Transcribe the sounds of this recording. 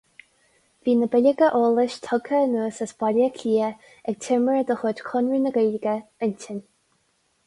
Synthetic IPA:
viːnəbɪlʲəɡəʔoːlɪʃt̪ʰɔɡʰənuːsəsb̥ɔləkʰiːə | ɛɡ̚tʰɪməɹəd̪əxʊdkʰʊnɹinəɡeːlɡəəntɪn

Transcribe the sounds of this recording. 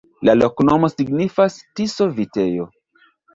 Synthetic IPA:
lalo̞kno̞mo̞siɡnifastiso̞vite̞jo̞̰

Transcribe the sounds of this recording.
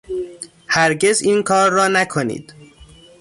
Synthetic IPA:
hæɾɟe̞ziːnkʰɒːɾːɒːnækʰonḭːd̪̥

